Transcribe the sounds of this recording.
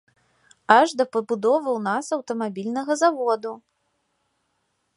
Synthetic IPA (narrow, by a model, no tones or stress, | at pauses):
aʐd̪ɐpɐbud̪ɔvɨwnasɐwt̪ɐmabʲilʲnɐɣɐzavɔd̪u